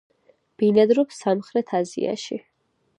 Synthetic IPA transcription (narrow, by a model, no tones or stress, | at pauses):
b̥inad̪ɾɔpsːamχɾɛt̪ʰazḭa̰ʃi